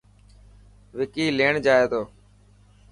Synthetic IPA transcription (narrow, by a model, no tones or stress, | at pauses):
ʋɪkiːleːɳd͡ʒaːeːd̪oː